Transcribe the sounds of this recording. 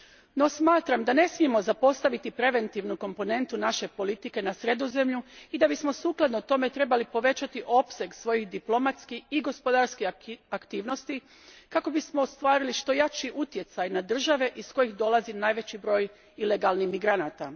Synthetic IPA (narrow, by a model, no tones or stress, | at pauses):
no̞smaːt̪ɾamd̪ane̞smie̞mo̞zapo̞st̪aʋit̪ipɾe̞ʋe̞nt̪iʋnuko̞mpo̞ne̞nt̪unaʃe̞po̞lit̪ike̞nasɾe̞d̪o̞ze̞mʎuid̪abismo̞suːklˠad̪not̪o̞me̞t̪ɾe̞balipo̞ʋe̞t͡ʃat̪iʔo̞pse̞ɡsʋo̞jixd̪iplˠo̞mat̪skixiɡo̞spo̞d̪aɾskiakt̪iːʋno̞st̪i | kako̞bismoost̪ʋaːɾiliʃt̪o̞jat͡ʃiʔut̪je̞t̪sajnad̪r̩ʒaʋe̞ʔisko̞jixd̪o̞lˠazinaːjʋe̞t͡ɕibɾo̞ːj | ile̞ɡalˠnimiɡɾanaːt̪a